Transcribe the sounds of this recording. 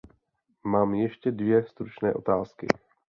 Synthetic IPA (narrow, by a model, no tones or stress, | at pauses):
maːmjɛʃcɛdvjɛst̪ɾut͡ʃnɛ̰ːʔo̞̰t̪aːskɪ̰